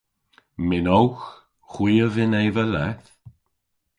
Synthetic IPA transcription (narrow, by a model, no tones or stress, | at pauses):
mɪnɔwx | xwiːəvɪnejvəlɛθ